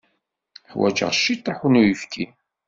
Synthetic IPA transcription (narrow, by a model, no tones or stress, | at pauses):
ħwæ̰d͡ʒə̰ʁˤʃːit̪ˤːɑħunujifkʰin